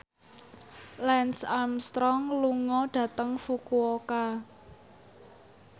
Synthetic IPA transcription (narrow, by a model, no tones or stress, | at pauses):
lɛnsamst̪ɾɔŋluŋɔɖ̥ä̤t̪əŋfukuoka